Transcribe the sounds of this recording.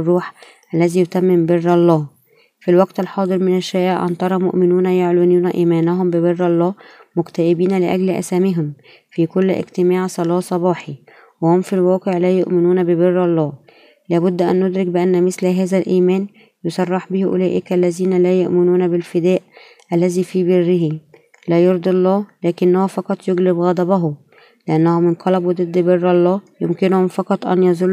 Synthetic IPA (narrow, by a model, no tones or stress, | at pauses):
rˤːuːħ | ʔælːæziːjot̪æmːɪmberːɑlˤːɑː | filwæɡt̪ɑlħɑːd̪ˤɨɾmɪnæʃːæːʔɪʕʔɑ̰nt̪ˤɑɾˤɑmo̰ʔmɪnuːnæjoʕlunuːnæʔiːmæːnæɦʊmbɪberːɑlˤːɑːmʊkt̪æʔɪbiːnælɪʔæ̰ɡlʔæ̰sæːmɪɦʊm | fiːkʊlːʔɪ̰ɡt̪ɪmaːʕsˤɑlɑːsˤɑbɑːħi | wɪhomfilwɑːqeʕlæːjoʔmɪnuːnæbɪberːɑlˤːɑː | læːbʊd̪ːʔæ̰nːod̪ɾɪkbɪʔænːæmɪslɦæːzælʔiːmæːn | josˤɑrˤːɑħbɪhʔʊ̰læːʔɪkælːæziːnælæːjoʔmɪnuːnæbɪlfɪd̪æːʔ | ʔælːæziːfiːbɪrːɪɦi | læːjoɾd̪ˤɑlˤːɑːlæːkɪnːæhufɑqɑt̪ˤjoɡlɪbɣɑd̪ˤɑbɑɦʊ | leʔænːæhʊmɪnq̪ʰɑlɑbuwd̪ˤɨd̪ːbɪrːɑlˤːɑːjomkɪnhʊmfɑqɑt̪ˤʔæ̰njɑzˤol